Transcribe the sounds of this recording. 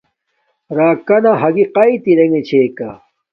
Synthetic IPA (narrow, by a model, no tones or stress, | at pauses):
ɾaːkɐnaɦɐɡiqɐit̪iɾeŋet͡ɕʰeːka